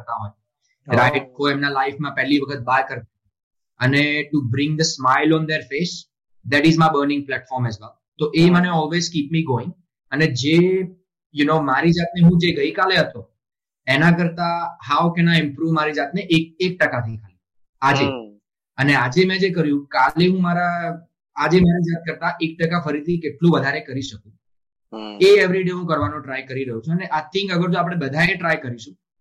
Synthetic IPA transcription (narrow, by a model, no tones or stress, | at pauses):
ɾt̪aɦɔj | ɾaɪʈ̚koemnalaɪfmãpɛɦliʋəkʰət̪̚baɾkəɾt̪a | əneʈubɾɪ̃ŋd̪əsmaɪlɔ̃nd̪eɾfes | d̪æʈɪzmaɪbəɾnɪ̃ŋɡ̚plɛʈfɔɾmɛzʋɛl | t̪oʔeməneɔlʋezkiːpmiɡoɪ̃ŋ | əned͡ʒe | junoːmaɾid͡ʒat̪neɦũd͡ʒeɡəikaleɦət̪o | enãk̬əɾt̪aɦawkenaɪ̃mpɾuʋmaɾid͡ʒat̪neʔek̚ek̚ʈəkat̪ʰĩŋkʰalĩ | ad͡ʒe | ənead͡ʒemɛ̃d͡ʒekəɾjũkaleɦũmaɾaː | d͡ʒemaɾid͡ʒat̪̚kəɾt̪aʔek̚ʈəkafəɾit̪ʰikeʈlũʋəd̪ʱaɾekəɾiʃəkũ | eeʋɾiɖeɦũkəɾʋanõʈɾajkəɾiɾəɦjũt͡ʃʰeəneʔat̪ʰːɪ̃ŋɡəɡəɾd͡ʒoapɽ̃ebəd̪ʱaeʈɾajkəɾiʃũ